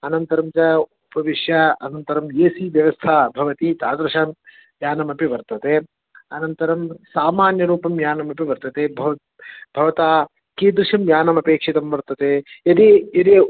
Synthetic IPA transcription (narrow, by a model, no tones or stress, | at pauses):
ɐnɐnt̪ɐɾɐmt͡ʃɐupɐʋiʂjɐɐnɐnt̪ɐɾɐmeːsiːʋjɐʋɐst̪ʰaːbʱɐʋɐt̪it̪aːd̪ɾɐʃaːm | ʋjaːnɐmɐpiʋɐɾt̪ɐt̪eː | ɐnɐnt̪ɐɾɐmsaːmaːnjɐɾuːpɐmjaːnɐmɐpiʋɐɾt̪ɐt̪eːbʱɐ | b̥ʱɐʋɐt̪aː | kiːd̪ɾuʂɐmjaːnɐmɐpeːkʂit̪ɐmʋɐɾt̪ɐt̪eːɐd̪iɐd̪i